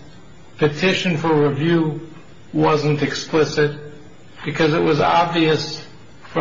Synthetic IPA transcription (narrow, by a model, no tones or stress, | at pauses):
pʰɨtʰɪʃɨ̃nfə˞ɹivjʉ | wʌzɨ̃ntɨksplɪsɪt̚ | b̥ɨkʰʌzɨʔ̚wʌzɑbviɨs | f